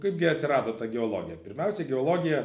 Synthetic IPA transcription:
kɐɪp̚ɡʲɪɐt̪ʲsʲɪɾɑːd̪oːt̪ɐɡʲɛoːlˠoːɡʲɪjɛpʲɪɾʲmʲɛʊsʲɛɡʲɛoːlˠoːɡʲɪjɛ

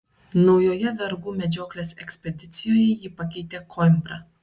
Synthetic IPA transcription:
nɒʊjoːjɛd̪ɐɾɡuːmʲɛd͡ʒʲoːklʲeːsɛ̰ksʲpʲɛd̪ʲɪt̪sʲɪjoːjɛjiːpɐkʲɛɪt̪ʲeːkʰɔmʲbɾɐ

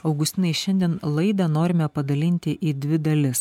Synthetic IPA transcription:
ɐʊɡʊst̪ʲɪnɐɪʃʲɛnʲd̪ʲiɛnlˠɐɪd̪ɐnoːɾʲɪmʲɛpɐd̪ɐlʲɪnʲt̪ʲɪʔiːd̪ʲʋʲɪd̪ɐlʲɪs

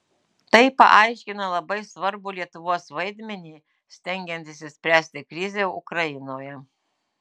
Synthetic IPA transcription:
t̪ɐɪpɐ̰ʔɑɪʃʲkʲɪnɐlˠɐbɐɪsʋɐɾbʊlʲiɛt̪ʊʋuɔsʋɐɪd̪ʲmʲɛnʲiː | sʲt̪ʲɛŋʲɡʲɛnʲt̪ʲɪsʲɪsʲpʲɾʲæːsʲt̪ʲɪkɾʲɪzʲeːʊ̰kɾɐɪnoːjɛ

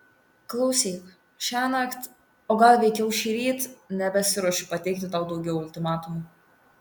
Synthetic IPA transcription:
klˠɐʊsʲiːk | ʃʲæːnɐkt̪ | oːɡɐlˠʋʲɛɪkʲɛʊʃʲiːɾʲiːt̪nʲɛbʲɛsʲɪɾuɔʃʲʊpɐt̪ʲɛɪkt̪ʲɪt̪ɑˑʊd̪ɒʊɡʲɛʊʊlʲt̪ʲɪmɑːt̪ʊmu

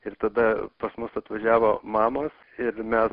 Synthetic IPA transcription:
ɪrt̪ɐd̪ɐpɐsmʊsɐt̪ʋɐʒʲæːʋoːmɑːmoːs | ɪɾmʲɛs

